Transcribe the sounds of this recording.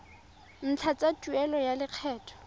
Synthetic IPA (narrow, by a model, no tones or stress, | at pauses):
n̩t͡ɬʰat͡satʼuɛlɔjalɪq͡χʰɛːtʰɔ̥